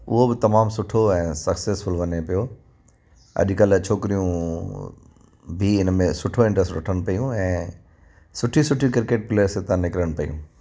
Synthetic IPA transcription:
ʊ̰ɦobɪt̪ɐmaːmsʊʈʰoɛ̃ːsɐkseːsfʊlʋɐnepijo | ɐ̰ʄkɐlt͡ɕʰoːkɪɾijũ | bʱiɪnmẽsʊʈʰoɪ̃ɳʈɾəsʈɾɐʈʰəñpɐjũɛ̃ː | sʊʈʰisʊʈʰikɪɾkeːʈ̚pɪləɾset̪ãnɪkɾəɽ̃pɐjṵ̃

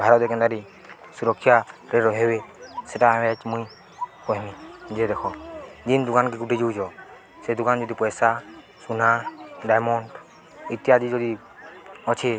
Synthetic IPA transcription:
bʱaɾɔt̪ɛkɛnd̪aɾi | suɾɔkʰːjaɾɛɾɔɦebɛsɛʈaːmɛɛt͡ʃmuj | pɔɦmid͡ʒɛd̪ɛkʰɔd̪ind̪ukankɛkuʈid͡ʒuwd͡ʒɔ | sɛd̪uɡand͡ʒɔd̪ipɔjsa | sunaɖajmɔnʈ | it̪ijad̪id͡ʒɔd̪i | ɔt͡ʃʰi

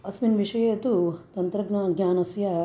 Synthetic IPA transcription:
ɐsminʋiʂɐjeːt̪ut̪ɐnt̪ɾɐɡnɐɡɲʲaːnɐsjɐ

